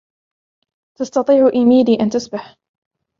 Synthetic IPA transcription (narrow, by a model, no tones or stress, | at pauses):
t̪ɑst̪ɑt̪ˤiːʕʔɪmiːd̪iːʔant̪ʊsbaħ